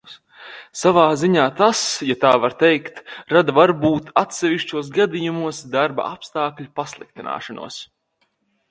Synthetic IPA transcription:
savaːziɲaːt̪asjat̪aːvaɾt̪ɛjkt̪ɾad̪avaɾbuːt̪at̪sɛviʃt͡ʃuɔs̬ɡad̪ijumuɔsd̪aɾba̰apst̪aːkʎʲupaslˠḭk̚t̪ina̰ːʃanṵɔs

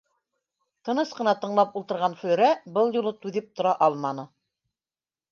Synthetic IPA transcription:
t̪ɤ̆nɤsqɤ̆nɑt̪ɤ̆ɴlˠɑpulˠt̪ɤ̆ɾʁɑnfɵ̆lɾæbɤlˠjulˠɤt̪ʉðɘp̚t̪ŏɾɑʔɑlˠmɑnɤ

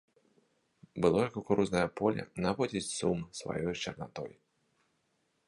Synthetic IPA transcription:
bɨlˠɔjakɔkuɾuznɐjɐpɔlʲɐ̰navɔd͡zʲit͡sʲsumsva̰jɔjt͡ʃɐrnat̪ɔ̰j

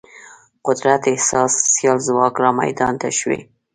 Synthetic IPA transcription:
qʊd̪ɾat̪ɪhsɑsːjɑlzwɑkɾɑma̰jd̪ɑnt̪a̰ʃwḛ

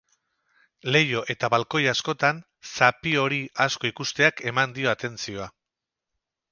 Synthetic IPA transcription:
le̞jo̞ʔe̞t̪aβalko̞jasko̞t̪an | sapio̞ɾiʔasko̞ikust̪e̞ake̞mand̪io̞at̪e̞nt͡sio̞a

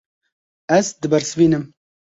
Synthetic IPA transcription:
ɛzd̪ɨbɛɾsɨviːnɨm

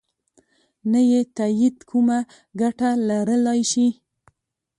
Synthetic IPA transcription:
najet̪ajid̪kʰuma | ɡaʈalaɾəlɑjʃi

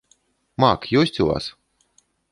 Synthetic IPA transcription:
makjusʲt̪ʲulˠa̰ːs

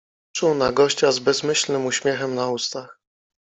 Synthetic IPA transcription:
t͡ʂuwnaɡɔɕt͡ɕazbɛzmɘɕlnɘmuɕmʲjɛxɛmnaust̪ax

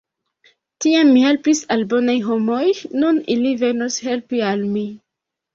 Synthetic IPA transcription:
tiamːihe̞lpisalbo̞najɦo̞mo̞jnunilive̞noshe̞lpialmi

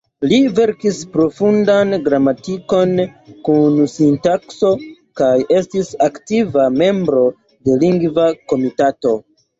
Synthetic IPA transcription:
live̞ɾkispɾo̞fundanɡɾamatiko̞nkunsintakso̞ | kaje̞stisaktivame̞mbɾo̞ | de̞liŋɡvako̞mitato̞

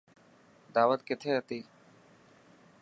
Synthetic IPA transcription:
d̪aːʋəd̪ket̪ʰeət̪i

